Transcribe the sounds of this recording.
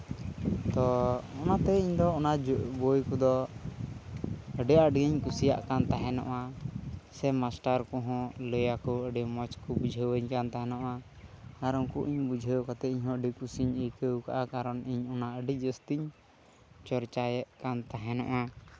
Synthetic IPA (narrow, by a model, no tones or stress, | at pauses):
t̪ɔɔnat̪ɛiɲd̪ɔːnabojkɔd̪ɔ | əɖɛəɖɡiɲkusija̰ʔkant̪aɦɛnɔ̰ʔa | sɛmasʈaɾkɔɦɔ̃ləjakɔəɖɛmɔt͡ʃkɔbud͡ʒʱəwəɲkant̪aɦɛnɔʔa | aɾɔŋkuʔiɲbud͡ʒʱəwkat̪ɛiɲɦɔ̃əɖikusiɲikəwkaʔakaɾɔniɲɔnaəɖid͡ʒəst̪iɲ | t͡ʃɔɾt͡ʃajɛʔkant̪aɦɛnɔ̰ʔa